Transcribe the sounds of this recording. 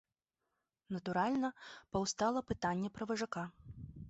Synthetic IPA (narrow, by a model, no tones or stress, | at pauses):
nɐt̪uɾalʲnɐpɐwst̪alˠɐpɨt̪anʲːɛpɾɐvɐʐaka